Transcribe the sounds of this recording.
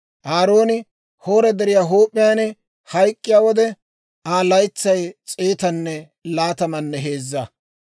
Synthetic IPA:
ʔaːɾo̞ːnɪ | ho̞ːɾɛd̪ɛɾɪjaːɦoːpʼːɪjaːnɛ | hɐjkʼːɪjaːwɔd̪ɛ | aːlɐjt͡sːɐjt͡sʼeːt̪ɐnːɛ | laːt̪ɐmɐnːɛɦe̞ːzːɐ

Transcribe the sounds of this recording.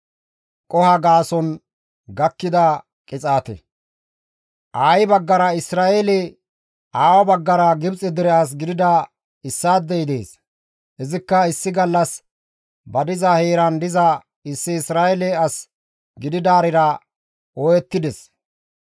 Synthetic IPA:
kʼɔhɐɡaːsɔn | ɡɐkːɪd̪ɐ | kʼɪt͡sʼaːt̪ɛ̰ | ʔaːjbɐɡːɐɾɐɪsɾaːelɛ | aːwɐbɐɡːɐɾɐɡɪbt͡sʼɛd̪ɪɾɛas̬ɡɪd̪ɪd̪ɐ | ɪsːaːd̪ːɛɪd̪e̞̰ːs | ɛzɪkːɐɪsːɪɡɐlːɐs | bɐd̪ɪzɐheːɾɐnd̪ɪzɐ | ɪsːɪːsɾaːjɛlɛɐs | ɡɪd̪ɪd̪aːɾɪɾɐ | ɔjɛt̪ːɪd̪ɛs

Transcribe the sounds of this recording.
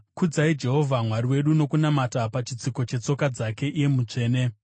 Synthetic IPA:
kud͡zaid͡ʒe̞ɦo̞vʱamwariwe̞ɗuno̞kunamatapat͡ʃit͡siko̞t͡ʃe̞t͡so̞kad͡zake̞ʔije̞mut͡ʂe̞ːne̞

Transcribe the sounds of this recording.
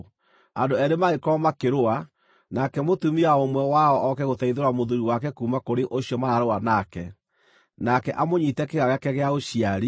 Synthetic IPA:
andoɛɾemaekɔmakeɾoa | nakɛmotumiaomwɛwaɔʔɔkɛɣotɛiðeɾwamoðuɾiwakɛkumakoɾeʔoɕiɔmaaɾoanakɛ | nakɛʔamoɲitɛkeɣaɣɛkɛɣeaoɕijaɾi

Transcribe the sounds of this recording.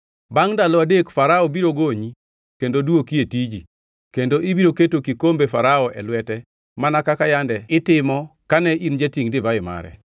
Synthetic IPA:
baŋdalɔadekfaɾaɔbiɾoɡoɲi | kendoduokietid͡ʒi | kendoʔibiɾoketokikombefaɾaɔʔɛ̰lwɛtɛ | manakakajandɛɪtɪmɔkanɛʔind͡ʒetiŋdɪvaɪma̰ɾɛ̰

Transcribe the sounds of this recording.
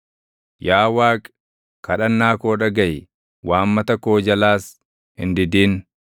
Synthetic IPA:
jaːwaːkʼ | kɐᶑɐnːaːkoːᶑɐɡɐj | wʔaːmːɐt̪ɐkoːd͡ʒɐlaːs | hɪ̰nd̪ɪd̪iːn

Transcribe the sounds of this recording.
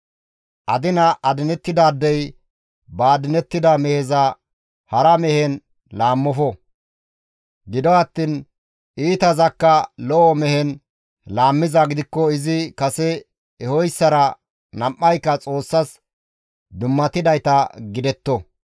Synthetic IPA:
ʔɐd̪ɪnɐʔɐd̪ɪnɛt̪ːɪd̪aːd̪ːɛj | baːd̪ɪnɛt̪ːɪd̪ɐmɛhɛzɐ | hɐɾɐmɛhɛn | laːmːɔfɔ | ɡɪd̪ɔɐt̪ːiːn | ʔiːt̪ɐzɐkːɐlɔʔɔmɛhɛn | laːmːɪzɐɡɪd̪ɪkːɔɪzɪkɐsɛ | ɛhɔjsːɐɾɐ | nɐmʔːɐjkːɐt͡sʼo̞ːsːɐs | d̪ʊmːɐt̪ɪd̪ɐjt̪ɐɡɪd̪ɛt̪ːɔ

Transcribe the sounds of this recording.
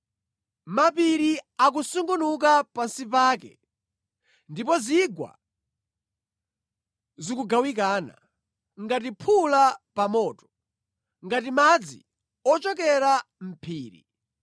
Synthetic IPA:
mapiɾiak̬usuŋɡunuk̬apansipaːkɛ̰ | ndipɔziɡwa̰ | zikuɡawik̬aːna̰ | ŋɡat̬ipʰulapamɔːtɔ̥ | ŋɡatimad͡zḭ | ɔt͡ʃɔkɛɾam̩pʰiːɾḭ

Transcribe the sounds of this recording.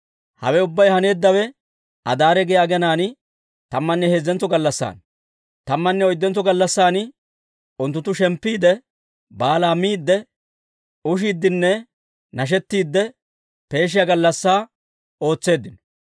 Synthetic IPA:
hɐ̰wɛʊbːɐjhɐne̞ːd̪ːɐwɛ | ɐ̰d̪aːɾɛɡɛjaːɡɛnaːnɪ | t̪ɐmːɐnːɛhezːɛnt͡sːɔɡɐlːɐsːa̰ːn | t̪ɐmːɐnːɛɔjd̪ːɛnt͡sːɔɡɐlːɐsːaːnɪ | ʊnt̪ːʊt̪ːʊʃɛmpːiːd̪ɛ | baːlaːmiːd̪ːɛ | ʊʃ̬iːd̪ːɪnːɛ | nɐʃ̬ɛt̪ːiːd̪ːɛ | pe̞ːʃ̬ɪjaɡɐlːɐsːaː | o̞ːt͡sːe̞ːd̪ːɪnɔ

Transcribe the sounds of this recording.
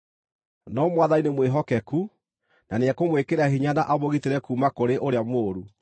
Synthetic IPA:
nɔmwaðainemweɦɔkɛku | naneɛkomwekeɾahiɲanaʔaβoɣiteɾɛkuːmakoɾeʔoɾeamoːɾu

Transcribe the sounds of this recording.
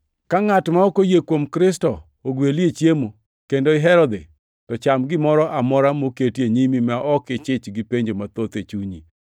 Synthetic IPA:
kaŋatmaɔkojekwomkɾɪstɔː | ɡweliet͡ʃjemo | kendoɪɦɛɾɔd̪e | tɔt͡ʃamɡɪmɔɾɔʔamɔɾamoketjeɲimimaʔɔkɪt͡ʃɪt͡ʃɡɪpeɲd͡ʒomat̪ot̪et͡ʃuɲi

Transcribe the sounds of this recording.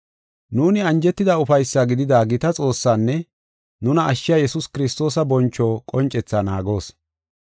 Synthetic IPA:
nuːnɪɐnd͡ʒɛt̪ːɪd̪ɐʊfɐjsːaɡɪd̪ɪd̪aːɡɪt̪ɐt͡sʼo̞ːsːaːnːɛ | nʊnɐːʃːɪjaːjɛsʊskɪɾɪst̪o̞ːsɐbɔnt͡ʃːoːkʼɔnt͡ʃʼːɛt͡sːaːnaːɡo̞ːs

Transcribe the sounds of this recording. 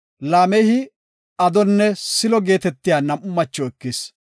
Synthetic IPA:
laːmɛjhɪ | ɐd̪ɔnːɛsɪlɔɡe̞ːt̪ɛt̪ːɪjaːnɐmʊmːɐt͡ʃːɔɛkːɪs

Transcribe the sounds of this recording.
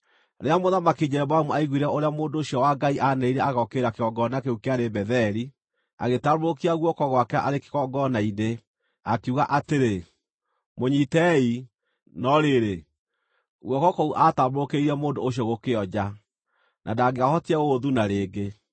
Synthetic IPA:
ɾeamoðamakiɲɛɛbamuaiɣwiɾɛʔoɾeamoːndoːɕjɔwaɡaiʔanɛiɾɛaɣɔkeɾakeɔɡɔnakeukeaɾebɛðɛɾi | a̰ɣetaɾɾokiaɣwɔkɔɣwakɛʔa̰ɾeke̥ɣɔɡɔnaine | akiuɣaʔateɾe | moɲitɛi | nɔɾeɾe | ɣwɔkɔkɔuʔataɾoɾokeiɾiɛmoːndoːɕ̬jɔɣokeɔd͡ʑa | nʔa̰daɡeahɔtiɛɣoðunaɾeːɡe

